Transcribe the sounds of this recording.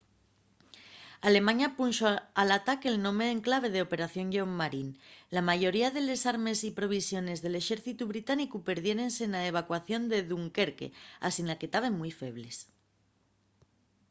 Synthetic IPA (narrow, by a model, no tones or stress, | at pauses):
ale̞mãɲapunʃoalat̪akelnõ̞me̞ːŋklaβ̞e̞ð̞eo̞pe̞ɾaθjo̞ŋʝomːaɾinlamaʝo̞ɾiaðe̞le̞saɾme̞sipɾo̞β̞isjo̞ne̞zðe̞le̞ʃe̞ɾθit̪uβ̞ɾit̪anikupe̞ɾð̞je̞ɾe̞nsenaeβ̞akwaθjo̞nd̪e̞ðuŋke̞ɾke̞̰a̰sinlake̞t̪aβ̞e̞ŋmujfe̞β̞le̞s